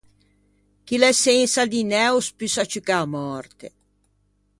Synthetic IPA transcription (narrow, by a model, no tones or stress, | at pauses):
k̟ilɛsensad̪inɛuspysat͡ʃykamɔɾt̪ḛ